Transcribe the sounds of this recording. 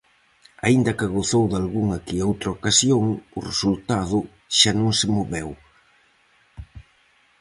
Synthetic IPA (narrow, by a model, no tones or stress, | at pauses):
aind̪ɐkɪɣoθowðalɣuŋakiowt̪ɾaokasjoŋʊresult̪aðʊ | ʃanõŋsɪmoβɛw